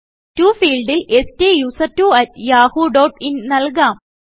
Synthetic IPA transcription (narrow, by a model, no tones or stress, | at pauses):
tuːfiːlɖilestejuːsɐtːuɐt̚jaːhuːɖoːʈinnɐlkaːm